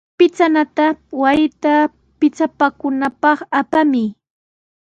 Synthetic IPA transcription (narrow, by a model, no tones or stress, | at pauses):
pɪt͡sanat̪awajt̪a | pɪt͡sapakʊnapɑχapamɪ